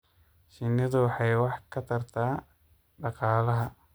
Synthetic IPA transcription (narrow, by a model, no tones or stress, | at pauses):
ʃɪnːɪðʊwɑħɑjwɑħkʰɐt̪ʰɐrt̪ʰaː | ɖɑqɑːlɐɦɐ